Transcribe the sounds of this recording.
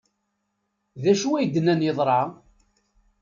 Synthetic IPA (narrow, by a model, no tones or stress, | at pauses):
ðæʃuwæjd̪ənænjəðˤɾˤɑ